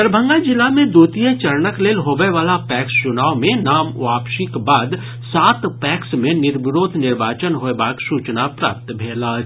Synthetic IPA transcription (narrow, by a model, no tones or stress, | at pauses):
əɾbʱə̃ŋɡad͡ʒɪlːamẽd̪uːt̪ijet͡ʃɐɾnəkleːlɦoːbeʋaːlapɛːkst͡ʃʊnaːʋmẽnaːmʋaːpʃɪkbaːd̪ | saːt̪pɛːksmẽnɪɾʋɪɾoːd̪ʱnɪɾʋaːt͡ʃənɦoːebaːksuːt͡ʃnapɾa̰ːp̚t̪bʱeːlaː